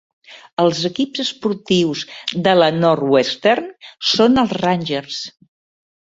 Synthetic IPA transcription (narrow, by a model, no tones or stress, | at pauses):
əlˠzəkibzəspuɾt̪iwzd̪ələnɔɾwest̪ɛɾnsonəlˠzranʲʒərs